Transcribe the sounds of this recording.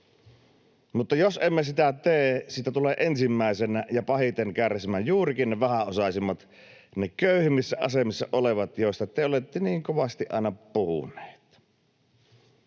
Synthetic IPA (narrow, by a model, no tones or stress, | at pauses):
mut̪ːɑjosʔemːesit̪æt̪eːsiːt̪æt̪uleːʔensimːæˑesenæjɑpɑhit̪eŋkæræsimæjjuːrikinneʋæhæosɑsimːɑt̪ | nekøˑyhimːisːæʔɑ̰semisːɑʔoleʋɑt̪joˑest̪ɑt̪eolet̪ːeniːŋkoʋɑst̪iʔɑ̰ˑenɑpuhṵnˑe̥ːt̪